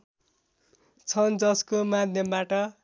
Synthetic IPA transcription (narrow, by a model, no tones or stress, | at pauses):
t͡sʰʌnd͡zʌskomad̪ʱjʌmbaʈʌ